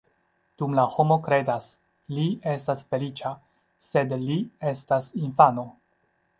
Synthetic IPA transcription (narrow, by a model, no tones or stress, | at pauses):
d̥umlaho̞mo̞kɾe̞das | lie̞stasfe̞lit͡ʃa | se̞dlie̞stasinfano̞